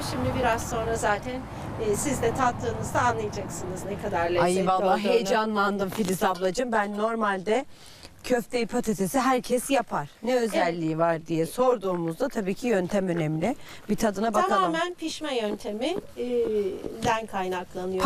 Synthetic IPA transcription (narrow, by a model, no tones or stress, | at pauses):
ʃimd̪ibiɾazso̞nɾazaːt̪ʰænː | sizd̪ɛt̪ʰat̪lːɯːnɯzd̪aːnlˠajad͡ʒaksɯnɯznɛkʰad̪aɾlʲeajvalˠːaɦejd͡ʒanlˠand̪ɯmfilʲisablˠad͡ʒɯmbænːo̞ɾmalʲd̪ɛ | cʰøft̪ʰeipʰot̪ʰet̪ʰesiɦæɾcʰɛsjapʰaɾ̥nɛø̞zælʲːiivaɾd̪ijɛso̞ɾd̪uːmuzd̪at̪ʰabiːcʰijønt̪ʰæmø̞nemlʲɪ | bit̪ʰad̪ɯnabakaaaːmænpʰiʃmɛjønt̪ʰe̞mi | d̪ænkʰajnaklˠanɯjo